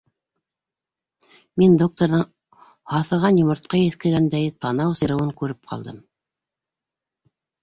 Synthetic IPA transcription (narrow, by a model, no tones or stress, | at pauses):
mind̪ok̚t̪oɾðɤɴ | hɑθɤ̆ʁɑnjŏmŏɾt̪̚qɑjɘθkɘ̆ɡænd̪æjt̪ɑnɑwsɤ̆ɾɤ̆wɤŋkʉɾɘp̚qʰɑ̰lˠd̪ɤm